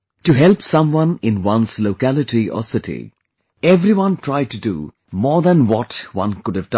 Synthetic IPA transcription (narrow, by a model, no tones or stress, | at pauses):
tuɦɛlˠpsʌ̃mwʌ̃nɪ̃nwʌ̃nsloʊkælɨʈiʔɔ̰sɪtḭ | ɛvɾiwʌ̃ntʰɹ̥aɪd̚tudṵ | mɔːɹd̪ə̃nwɔtwʌ̰̃nkʊdɨvd